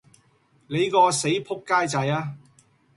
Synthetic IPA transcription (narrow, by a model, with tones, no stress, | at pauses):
le˨˧jkɔː˧se˨˥jpʰʊ˥kːaː˥jt͡sɐ˧jaː˥